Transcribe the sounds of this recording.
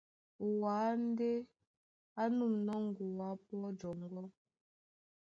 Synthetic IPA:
o˨waː˨˦n̩˦de˦ | a˦nu˦˨mnɔ˦ŋ˦˨ɡu˨wa˨˦pɔ˦d͡ʒɔ˨ŋ˦ɡɔ˦

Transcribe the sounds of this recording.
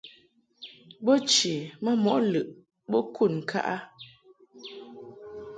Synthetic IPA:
bo˦t͡ʃi˨mə˦mɔ˨ʔlɨ˨ʔ | bo˦kʰu˦˨nŋ̩˨kʰa̰˦ʔa˦

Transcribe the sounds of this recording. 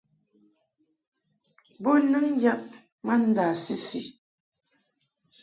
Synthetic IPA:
bo˦nɨ˦ŋ˦ja˦p̚ | ma˦n̩˦da˨si˦si˨

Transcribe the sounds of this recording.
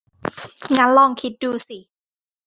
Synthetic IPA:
ŋaː˧˥nlɔ˧˥˩ŋkʰi˦˥t̪̚duː˧si˧˩˦

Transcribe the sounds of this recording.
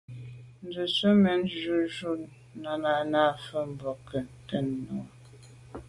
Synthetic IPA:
n̩˨˦də˨sə˦mə˨nd͡ʒʒu˦ʒu˦ | na˨na˨na˦fə˦m̩˨bɔ˨kə˨n˨tə˦nːɔ˨˦

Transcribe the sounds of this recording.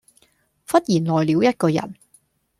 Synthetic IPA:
fɐ˥t̚jiː˨˩nlɔː˨˩jliː˨˧˥wjɐ˥t̚kɔː˧jɐ̰˨˩n

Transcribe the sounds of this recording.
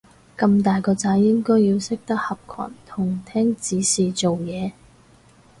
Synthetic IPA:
kɐ˧mt̪aː˨jkɔː˧t͡saː˨˥jːɪ˥ŋkɔː˥jːiː˧wsɪ˥k̚t̪ɐ˥k̚hɐ˨p̚kʰa̰ː˨˩nt̪ʰʊ˨˩ŋt̪ʰɛː˥ŋt͡siː˨˥siː˨t͡so˨wjɛː˨˧

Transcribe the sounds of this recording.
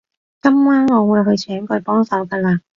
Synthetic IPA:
kɐ˥mwaː˥nŋɔː˨˧wuː˨˧jɦɵ˧jt͡ʃʰœː˨˥ŋkɔː˧jpɔː˥ŋsɐ˨˥wkɐ˧laː˧

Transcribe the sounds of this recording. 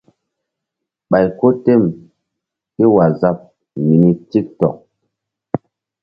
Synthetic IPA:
ɓa˨jko˦te˦˨m | i˦wa˨za˦p̚ | mi˨ni˦ti˦k̚tɔ˨k̚

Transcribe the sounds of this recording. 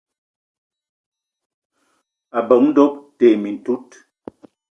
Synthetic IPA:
a˨bə˨˦ŋn̩˦do˦p̚te˨mi˨n̩˨tu˦t

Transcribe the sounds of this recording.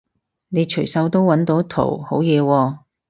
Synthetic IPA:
ne˨˧jt͡ʃʰɵ˨˩jsɐ˨˥wt̪o˥wwːɐ˨˥nt̪o˨˥wt̪ʰo̰˨˩who˨˥wjɛː˨˧wɔː˧

